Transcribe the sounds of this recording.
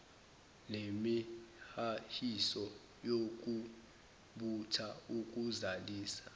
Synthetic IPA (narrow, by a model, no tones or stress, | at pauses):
lemihahisɔ | jok̬ʼu | ɓutʰauk̬ʼuzaliːsḁ